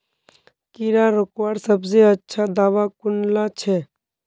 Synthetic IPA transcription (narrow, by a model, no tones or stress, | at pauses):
kiɾaɾokʋaːɾsəbzeətːʃʰad̪aːʋakʊnlat͡ʃʰɛː